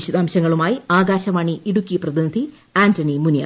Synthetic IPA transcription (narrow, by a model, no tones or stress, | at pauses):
iɕɐd̪aːmɕɐŋːɐɭumaːjiaːɡaːɕɐmaːɳiiɽukʲːiprɐðinɐd̪ʱi | aːntɐɳimunja̰ː